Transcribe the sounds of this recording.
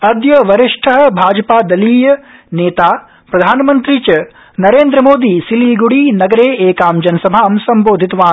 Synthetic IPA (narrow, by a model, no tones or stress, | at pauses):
ɐɾd̪jɐʋɐɾɪʂʈʰɐɦɐ̆bʱaːd͡ʒɐpaːd̪ɐliːjɐneːt̪aː | pɾɐd̪ʱaːnmɐnt̪ɾit͡ʃɐ | nɐɾeːnd̪ɾɐmoːd̪iːsiliːɡuɽiːnɐɡɐɾeːeːkaːmd͡ʒɐnɐsɐbʱaːmsɐmboːd̪ʱit̪ʋaː